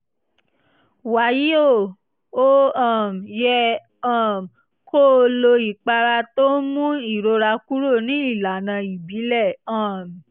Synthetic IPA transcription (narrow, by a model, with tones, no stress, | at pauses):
wa˨˦ji˦o˦˨ | o˦ã˦˨m˨jɛ˧ | ã˦˨m˨ | ko˦˧lo˧i˨k͡pa˧ɾa˧to˦mũ˦i˦˨ɾo˧ɾa˧ku˦ɾo˦˨nĩ˨˦i˦˨la˨nã˧i˨bi˨˦lɛ˦˨ã˦˨m˨